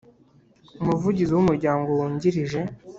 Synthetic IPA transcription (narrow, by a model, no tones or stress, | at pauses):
umuvuɟiziwumuɾɟaːŋɡowuːɲɟiɾiʒe̞